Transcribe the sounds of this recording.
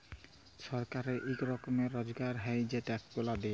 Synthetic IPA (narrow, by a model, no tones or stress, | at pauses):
sɔɾkaɾeʔikɾɔkomeːɔzɡaɾɦajd͡ʑeʈakpolad̪e